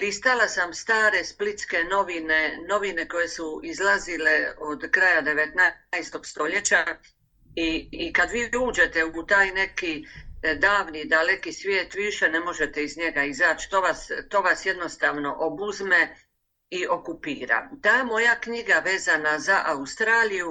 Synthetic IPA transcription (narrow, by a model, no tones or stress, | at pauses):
pɾist̪alasamst̪aːɾe̞split̪ske̞no̞ʋineno̞ʋine̞ko̞je̞suizlazile̞od̪kɾajad̪e̞ʋe̞t̪najst̪o̞ɡst̪o̞ʎe̞t͡ɕa | iːkad̪ʋiːuːd͡ʒe̞t̪e̞ut̪aːjne̞kid̪aːʋnid̪ale̞kisʋjeːt̪ʋiiʃe̞ne̞mo̞ʒe̞t̪e̞izɲe̞ɡaizaːt͡ɕt̪o̞ːʋast̪o̞ːʋasje̞d̪no̞st̪aːʋno̞ʔobuzme̞ | io̞kupiːɾa̰t̪aːmo̞jakɲiɡaʋe̞ːzanazaʔaust̪ɾaːliju